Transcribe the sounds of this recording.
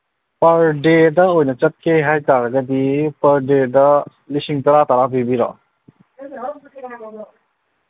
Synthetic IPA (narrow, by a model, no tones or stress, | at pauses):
pəɾɖed̪əojnɐt͡ʃət̪̚kejɦajt̪aɾɡəd̪ipəɾɖedə | lisiŋt̪əɾat̪aɾabibiɾɔ̰